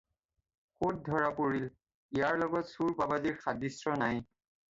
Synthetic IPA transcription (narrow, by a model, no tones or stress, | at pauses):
xot̚dʱɔɹapoɹil | ijaɹlɔɡɔtsuɹpabadiɹxadisɹɔnaj